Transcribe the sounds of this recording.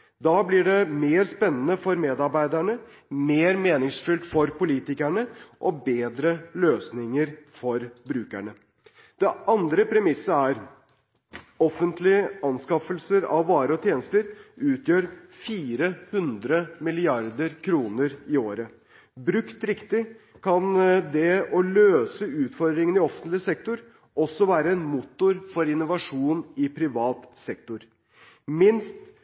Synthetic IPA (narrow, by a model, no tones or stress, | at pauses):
d̪ɑːblɪɖɛmeːɾspɛnːənəfɔɾmeːd̪ɑɾbæɪd̪æɳə | meːɾmeːnɪŋsfʏlt̪fɔɾpʊliːt̪ɪkæɳəʔɔbeːd̪ɾəløːsnɪŋəɾfɔɾbɾʉːkæ̰ɳə | d̪̥ɛɑnd̪ɾəpʰɾɛmɪsəæɾ | ɔfənt̪lɪəɑnskɑfəlsəɾɑ̰ʋːɑːɾəɔt̪ʰjeːnəst̪əɾʉːt̪ʰjøːɾfiːɾəhʉnd̪ɾəmɪlɪɑɾd̪əɾkʰɾuːnəɾɪoːɾə | bɾʉkt̪ɾɪkt̪ɪ | kʰɑnd̪ɛɔløːsəʉːt̪fɔɾd̪ɾɪŋənɪɔfənt̪lɪsɛk̚t̪ʊɾ | ɔsːɔʋæːɾəɛnmut̪ːʊɾfɔɾɪnːʊʋɑʂuːnɪpʰɾɪʋɑːt̪sɛkt̪ʊɾ | mɪnst̪